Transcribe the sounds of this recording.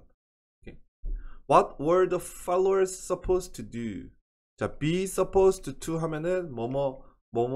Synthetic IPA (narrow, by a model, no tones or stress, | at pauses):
okʰe | wʌt̚wə˞dʌvfaloə˞zsʌpʰostʰudṵ | d͡ʒab̥isʌpʰostʰutʰuɦamjʌnɨnmɔmʌ | mom